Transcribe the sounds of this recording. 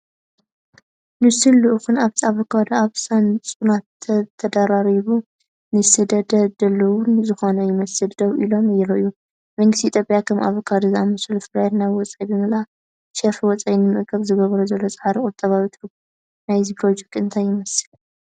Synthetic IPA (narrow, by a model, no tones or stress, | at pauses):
mɨsɨlːuʔxunaβt̪ʰiaβokʰad̪aβsant͡sʼunat̪t̪ʰɐd̪aɾaɾiβu | nɨsɨd̪ɐd̪ɐd̪ɐlːɐwʊnzɨxo̞nɐjɪmɐsɨld̪oβʔilo̞mɨjɛɾoʔɨjːu | mɐŋɡɨst̪iːt̪ʰjopʼjakʰɐma̰βokʰad̪ɨzamɨsɨlɨfɨlajt̪najwɔt͡sʼajbɨmɨla | ʃefwɔt͡sʼajnɨmɨʔkʼʰːɐβzɨɡɐβɐɾuzɐlːo̞t͡sʼɐħaɾikʼʊt̪ʼːɐβawit̪ʰɨɾɡu | najzipʰɾo̞d͡ʒɛk̚t̪ʼɨnt̪ʰajːɪmɐsɨ̥l